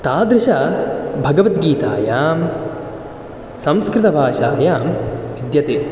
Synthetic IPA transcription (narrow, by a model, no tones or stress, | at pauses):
t̪aːd̪ɾɪʃɐbʱɐɡɐʋɐt̪ɡiːt̪aːjaːm | sɐmskɾɪt̪ɐbʱaːʃaːjaːmʋid̪jɐt̪e